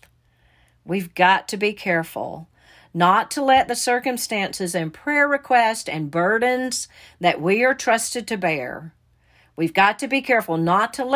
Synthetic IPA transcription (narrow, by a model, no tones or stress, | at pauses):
wivɡɑtʰɨbikʰɛɹfl̩ˠ | nətʰəlɛt̪̚ðɨsɜ˞kɨ̃mstæ̃nsɨzɨ̃npʰɹ̥ɛɹɹɨkʰw̥ɛstɨ̃nbɜ˞dⁿn̩z̥ðɨʔ̚wiə˞tʰɹ̥ʌstɨd̚tʰɨbɛ̰ɹ | wivɡɑtʰɨbikʰɛɹfl̩ˠnətʰəl